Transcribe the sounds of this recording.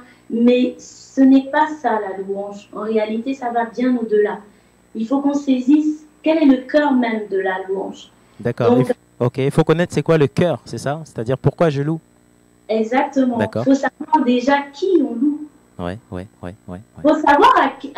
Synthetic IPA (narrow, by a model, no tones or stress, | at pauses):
mɛsənɛpasalaluɑ̃ʒɑ̃ʁealit̪esavabjɛ̃od̪əla | ilfokɔ̃sezis | kʲɛlɛləkʲœʁmɛmd̪əlalwɑ̰̃ʒ | d̪akɔɔ̃k | okʲefokɔnɛt̪χsɛkwaləkʲœːʁsɛsase̥t̪ad̪iʁpuʁkwaʒəlu | ɛɡzak̚t̪əmɑ̃d̪akɔfosavwaʁd̪eʒakʲʰiɔ̃lu | wɛ̰wɛ̰wɛ̰wɛ̰fosavwaʁak